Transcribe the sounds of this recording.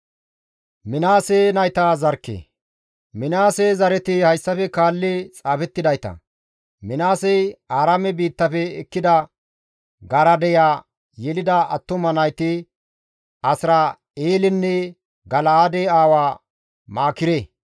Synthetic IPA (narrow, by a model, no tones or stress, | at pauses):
mɪnaːsenɐjt̪aːzɐɾkːḛː | mɪnaːsɛzɐɾɛt̪ɪhɐjsːɐfɛkaːlːɪt͡sʼaːfɛt̪ːɪd̪ɐjt̪ɐ̰ | mɪnaːsɛjaːɾɐmɛbiːt̪ːɐfɛːkːɪd̪ɐ | ɡɐɾɐd̪ɛjaː | jɛlɪd̪ɐɐt̪ːʊmɐnɐjt̪ɪ | ɐsɾɐ | eːlɪnːɛ | ɡɐlaːd̪eaːwaː | maːkɪɾe